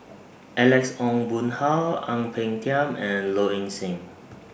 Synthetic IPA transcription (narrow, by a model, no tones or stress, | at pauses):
ʔɛlɛksɔ̃ŋbũnhalãŋpʰɛ̃ŋtʰiãmɛ̃nloĩŋsẽm